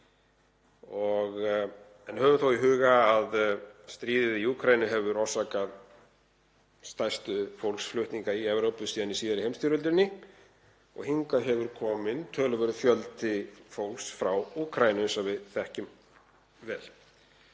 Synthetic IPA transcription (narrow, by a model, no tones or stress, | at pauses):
ɔɣ | ɛnhœːvʏθowiɦʏːɣaːðst̪ɾiːðɪðiuːkʰɾajnʏɦɛvʏɾɔsakað | st̪ajst̪ʏfowlksflʏht̪niŋkaiɛvɾowpʏsiːðanisiːðaɾɪejmst̪oɾʏlt̪ɾɪnːɪ | ɔ̰ɣhiŋkaɦɛvʏɾkʰɔːmɪnt̪ʰœːlʏvɛɾʏðfjœlt̪ɪfowlksfɾawuːkʰɾaːjnʏsavɪðθɛhcʏm | vɛːl